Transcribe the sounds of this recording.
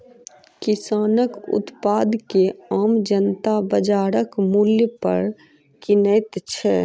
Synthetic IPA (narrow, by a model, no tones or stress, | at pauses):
kɪsaːnəkʊ̰t̪paːd̪keaːmd͡ʒənt̪abəd͡ʒaːɾəkmuljəpə̰ɾ | kɪnəɪt̪t͡ʃʰɛ